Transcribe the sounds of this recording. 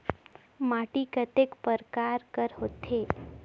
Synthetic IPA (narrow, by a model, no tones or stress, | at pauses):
maʈikət̪ekpəɾkaɾkəɾɦot̪e